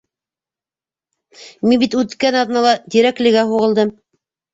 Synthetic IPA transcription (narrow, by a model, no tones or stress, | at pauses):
minbit̪ʉt̪kænɑðnɑlˠɑd̪iɾæklɘ̆ɡæɦuʁɤ̆lˠd̪ɤm